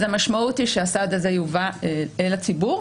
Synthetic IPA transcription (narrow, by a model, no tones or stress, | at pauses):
zemaʃmaut̪iʃeasad̪azejuvaeelat͡sibu